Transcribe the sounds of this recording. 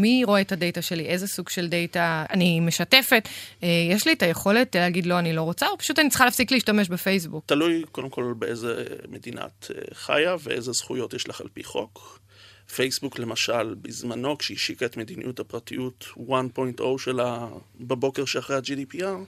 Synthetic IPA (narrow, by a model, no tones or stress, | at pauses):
miʁo̞e̞tade̞jtaʃe̞liʔe̞zesuɡʃe̞lde̞jtaanime̞ʃate̞fe̞tejeʃlietajeχo̞le̞tleːɡidlo̞anilo̞ʁot͡saopḁʃutanitt͡sχalaːfsikliːʃtame̞ʃ̬befejs̬buktalujkodemko̞lalbeezḛmedina̰tḛχa̰javeʔezez̥χujo̞tjeʃlaχa̰lpḭχo̞̰k | fejsbukle̞maʃalbizmano̞kʃeiʃikaetme̞d̪inḭʔuthapʁatḭjutwanpo̞jntʔowʃelabebo̞keʁʃeaχʁejad͡ʒidipiaʁ